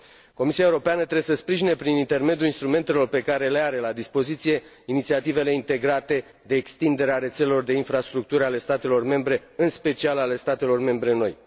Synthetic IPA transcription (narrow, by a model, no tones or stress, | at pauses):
ko̞misiaeuɾo̞peanət̪ɾebesəspɾiʒinepɾinint̪e̞rme̞d̪juinst̪ɾume̞nt̪e̞lo̞rpe̞kaɾe̞le̞aɾe̞lad̪ispo̞zit̪sije̞ | init̪siat̪ive̞le̞int̪e̞ɡɾat̪e̞ | d̪e̞ːkst̪ind̪e̞ɾeaɾe̞t̪se̞lelo̞rd̪e̞infɾast̪ɾuk̚t̪uɾale̞st̪at̪e̞lo̞rme̞mbɾe̞ɨnspe̞t͡ʃialale̞st̪at̪e̞lo̞rme̞mbɾe̞no̞̰j